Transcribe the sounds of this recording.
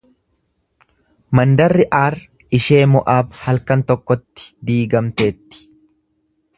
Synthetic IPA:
mɐnd̪ɐrːɪʔaːɾ | ɪʃe̞ːmɔʔaːbhɐlkɐnt̪ɔkːɔt̪ːɪ̥d̪iːɡɐmt̪e̞ːt̪ːɪ̥

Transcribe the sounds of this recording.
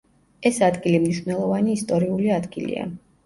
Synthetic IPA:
ɛsad̪ɡilimniʃwnɛlˠɔvaniːst̪ʼɔɾiuliad̪ɡilḭa̰

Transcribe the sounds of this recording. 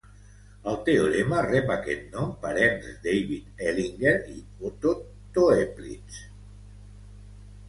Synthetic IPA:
əlˠt̪eolemarɛpakḛt̪̚nɔmpəɾɛnzd̪ejβit̪eliŋɡeɾḭ | ot̪o | t̪oeplḭt͡s

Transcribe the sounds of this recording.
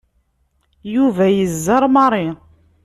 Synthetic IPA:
juvæjəzːɑɾˤmɑɾˤi

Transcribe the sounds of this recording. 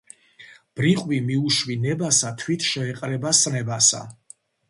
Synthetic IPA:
b̥ɾiqʼwimiuʃwinɛbasat̪ʰwit̪ʰʃɛːqʼɾɛbasnɛbasa̰

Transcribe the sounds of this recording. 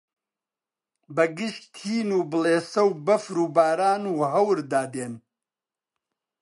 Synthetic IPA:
bɐɡɨʃt̪ʰiːnuːbɨleːsɐwbɐfɾuːbaːɾaːnuːɦɐwɾd̪aːd̪eːn

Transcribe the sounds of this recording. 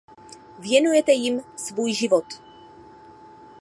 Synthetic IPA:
vjɛnujɛt̪ɛjimsvuːjʒivɔt̪

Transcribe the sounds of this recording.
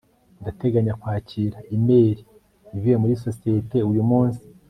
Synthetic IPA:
ndate̞ɡaɲakwaːciːɾaime̞ːɾi | ivijemuɾiso̞sijete̞ujumuːnsi̥

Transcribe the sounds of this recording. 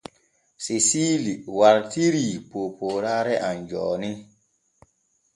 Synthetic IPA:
sisiliwaɾtiɾipoːpoːɾaɾɛʔand͡ʒɔ̰ːni

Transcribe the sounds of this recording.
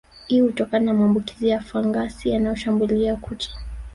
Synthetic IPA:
hihutɔkananamaːmbuki̥zijafaŋɡasijanajɔʃambuliakʰutḁ

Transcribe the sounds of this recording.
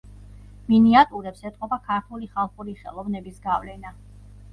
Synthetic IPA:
miniat̪ʼuɾɛpsɛt̪ʼqʼɔbakʰaɾt̪ʰuliχalˠχuliχɛ̰lˠɔvnɛbisɡavlɛna

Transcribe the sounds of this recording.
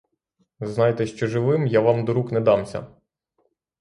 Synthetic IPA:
znɑjt̪ɛʃt͡ʃɔʒɪʋɪmjaʋɑmd̪ɔɾuknɛd̪ɑmsʲɐ̰

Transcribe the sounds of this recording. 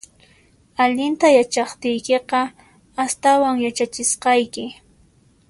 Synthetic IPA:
aʎɪnt̪ajat͡ʃɑχt̪ɪjkeqɑ | ast̪awaŋjat͡ʃat͡ʃɪsqɑjkɪ

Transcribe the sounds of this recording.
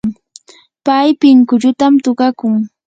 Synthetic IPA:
pajpɪŋkʊʎʊt̪amt̪ʊɢɑkʊŋ

